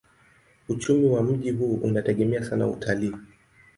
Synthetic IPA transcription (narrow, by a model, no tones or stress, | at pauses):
ut͡ʃumiwam̩ʄiɦuːʔṵnatɛɠɛmɛasana̰ṵtʰaliː